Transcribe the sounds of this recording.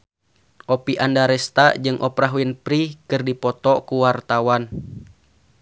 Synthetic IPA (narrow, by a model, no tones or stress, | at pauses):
ʔɔpiʔandaɾɛst̪ad͡ʒɨŋʔɔpɾaɦuinpɾikɨrdipɔt̪ɔkuwart̪awan